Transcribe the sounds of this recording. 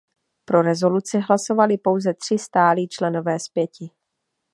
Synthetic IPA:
pɾo̞ɾɛzo̞lut͡sɪɦlaso̞valɪpo̞wzɛt̪r̝̥ɪst̪aːliːt͡ʃlɛno̞vɛːspjɛcɪ

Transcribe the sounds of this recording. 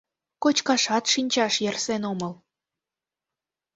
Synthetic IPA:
kot͡ɕkɑʃɑt̪ʃinʲt͡ɕɑʃjersenoməl

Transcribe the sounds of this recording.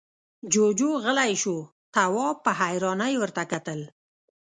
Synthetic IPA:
d͡ʒod͡ʒuɣəlajʃu | t̪awɑpəɦajɾɑnəjwəɾt̪akat̪əl

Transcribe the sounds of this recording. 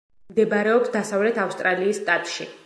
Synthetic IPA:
md̪ɛbaɾɛɔpsd̪asavlɛt̪ʰafst̪ʼɾaliːst̪ʼat̪ʼʃi

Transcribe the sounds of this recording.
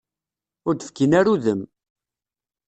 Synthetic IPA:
ʊɾd̪əfkinæɾuðəm

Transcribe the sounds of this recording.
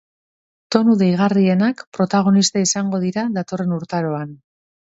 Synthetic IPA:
t̪o̞nuðejɣ̞arie̞nakpɾo̞t̪aɣ̞o̞nist̪aisaŋɡo̞ð̞iɾaðat̪o̞re̞nuɾt̪aɾo̞an

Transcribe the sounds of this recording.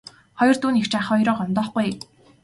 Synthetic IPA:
χɔjɞ̆rt̪uːnext͡ɕaχɔjɾɔːqɔnt̪ɔːχɡʊj

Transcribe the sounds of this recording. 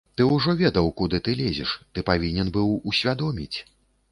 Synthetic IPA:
t̪ɨwʐɔvʲɛd̪ɐwkud̪ɨt̪ɨlʲɛzʲɛ̰ʂt̪ɨpavʲinʲɛnbɨwusʲvʲad̪ɔmʲḭt͡sʲ

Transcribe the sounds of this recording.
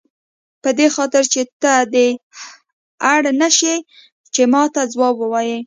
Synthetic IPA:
pəd̪exɑt̪ɪɾt͡ʃet̪əd̪ə | aɽnaʃe | t͡ʃemɑt̪azwɑbwəwɑje

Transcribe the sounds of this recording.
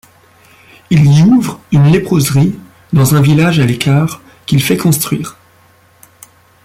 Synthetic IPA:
ilɥiuvʁynlepχozʁi | d̪ɑ̃zɛ̃vilaʒalekaːʁ | kʲilfɛkɔ̃st̪χɥiːʁ

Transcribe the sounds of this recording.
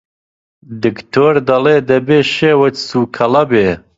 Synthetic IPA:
d̪ɨkt̪ʰoːɾd̪ɐleːd̪ɐbeːʃeːwɐt̪suːkʰɐlɐbeː

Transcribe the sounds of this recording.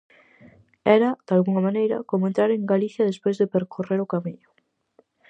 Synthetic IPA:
ɛɾɐd̪̥alɣuŋɐmanejɾɐkomʊent̪ɾaɾeŋɡaliθjɐðespojzðepeɾkʰoreɾʊkamiɲʊ

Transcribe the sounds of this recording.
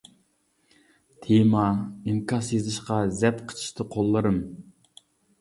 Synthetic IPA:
t̪ʰemɑimkʰɑsjezɨʃqɑzɛpqʰə̥t͡ʃʰi̥ʃt̪ʰɨqʰolˠːɨɾɨm

